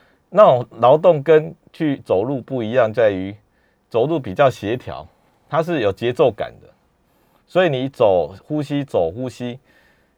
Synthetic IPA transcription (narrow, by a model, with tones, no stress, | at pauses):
na˥˨lɑ˧˦ʊt̪ɔ˥˨ŋkə˦n | t͡ɕʰy˥˨t͡so˨˩ʊlu˥˧pu˥˩i˧˦jɑ˥˧ŋt͡sa˥˨ɪy˨˦ | t͡so˨˩ʊlu˥˨pi˨t͡ɕjɑ˥˨ʊɕje˨˦t̪ʰjɑ̰˧˦ʊ | t̪ʰa˦ʂ̬ɻ̩˥˨jo˨˩t͡ɕjɛ˨˦t͡so˥˨ʊka̰˨˩nd̪ə˦ | swɔ˧˦˥i˨nĩ˨˩t͡so˨˩ʊhu˦ɕi˦t͡so˨˩ʊxu˦ɕi˦